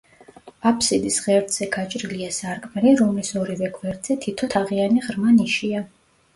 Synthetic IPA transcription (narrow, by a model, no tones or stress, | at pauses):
apʰsid̪isʁɛɾd̪z̥ɛɡat͡ʃʼɾiliasaɾkʼmɛliɾɔmlisɔɾivɛɡʰvɛɾd̪zɛt̪ʰit̪ʰɔt̪ʰaʁianiʁɾmaniʃia